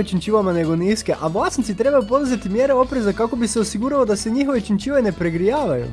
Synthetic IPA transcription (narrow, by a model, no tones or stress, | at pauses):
t͡ʃint͡ʃiʋamane̞ɡoniskeʔaʋlˠasnit̪sit̪ɾe̞bajupo̞d̪uzet̪imje̞ɾeo̞pɾezakako̞biseosiɡuɾalod̪ase̞ɲixoʋet͡ʃint͡ʃiːʋene̞pɾeɡɾijaːʋajṵ